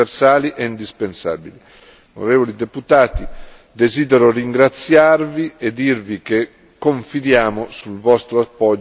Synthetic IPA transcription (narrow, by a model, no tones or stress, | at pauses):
ersaːliʔɛind̪ispensa̰ːbili | ono̰ɾeːvolid̪eput̪aːt̪i | d̪eziːd̪eɾoriŋɡɾat̪sːjarvied̪irvike | kːoɱfid̪jaːmosulvɔst̪ɾoapːɔ